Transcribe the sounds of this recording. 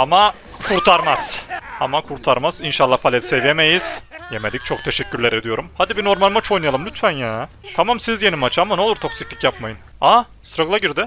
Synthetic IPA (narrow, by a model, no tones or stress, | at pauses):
ama | kʰuɾt̪ʰaɾmaz̥a̰makʰuɾt̪ʰaɾmaz̥inʃalˠːahpʰalʲɛt̪sevjeme̞jiz̥jeme̞d̪ic̚t͡ʃʰo̞k̚t̪ʰe̞ʃɛcːyɾlʲeɾe̞d̪ijo̞ɾumhad̪ibino̞ɾmalʲˠmat͡ʃʰojnajalˠɯmlʲyt̪fænjaː | t̪ʰamamsizje̞nimat͡ʃʰamano̞lˠuɾt̪ʰo̞ksi̥clʲicjapmajɯn | a | st̪ɾaɡɯlˠaɟiɾd̪ɪ